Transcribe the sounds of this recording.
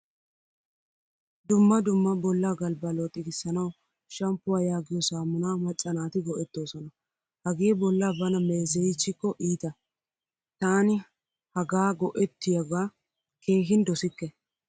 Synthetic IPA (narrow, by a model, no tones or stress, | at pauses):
d̪ʊmːɐd̪ʊmːɐbɔlːaːɡɐlbɐlot̪ʼɪɡɪsːɐnɐw | ʃɐmpːʊwaːjaːɡɪjɔsaːmʊnaːmɐt͡sʼːɐnaːt̪ɪɡɔʔɛt̪ːo̞ːsɔnɐ | hɐɡeːbɔlːaːbɐnɐmeːsɛjɪt͡ʃːɪkːɔʔiːt̪ɐ | t̪aːnɪ | hɐɡaːɡɔʔɛt̪ːɪjɐɡaː | kʰe̞ːhɪnd̪ɔsɪkːɛ